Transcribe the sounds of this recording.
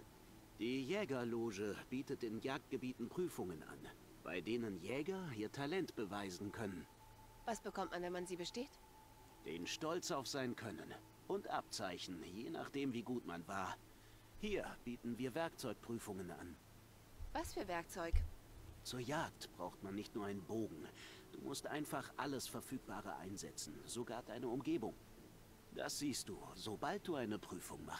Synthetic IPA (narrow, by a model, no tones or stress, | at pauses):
d̥iːjɛːɡɐloːʒəb̥iːtət̚d̥ɪːnjaːk̚t̚ɡ̥əbiːtn̩pʁ̥yːfʊŋənʔa̰n | b̥a̰ɪdeːnənjɛːɡɐʔiːɐtʰalɛntb̥əvaɪzn̩kʰœnən | v̥asb̥əkʰɔmtmanvɛnmanziːbəʃteːt | d̥ḛːnʃtɔlt͡saʊfz̥aɪnkʰœnən | ʔʊntʔa̰p̚t͡saɪçn̩jeːna̰ːχd̥eːmviːɡuːtma̰nvaːɐ | hiːɐb̥iːtn̩viːɐvɛɐkt͡sɔʏk̚pʁ̥yːfʊŋənʔa̰n | v̥asfyːɐvɛɐk̚t͡sɔʏkt͡suːɐjaːktb̥ʁaʊxtmanːɪçtnuːɐaɪnənboːɡŋ̩d̥ṵːmʊstʔaɪnfaχʔa̰ləsfɛɐfyːk̚b̥aːʁ̞ə̰ʔa̰ɪnzɛ̰t͡sn̩zoɡaːɐd̥aɪnəʊmɡeːbʊŋ | d̥a̰sz̥iːst̚d̥uːzobalt̚d̥uːaɪnəpʁ̥yːfʊŋma̰χt